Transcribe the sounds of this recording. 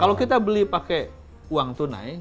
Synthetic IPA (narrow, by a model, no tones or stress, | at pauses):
kalokit̪abəlipake | uaŋt̪una̰j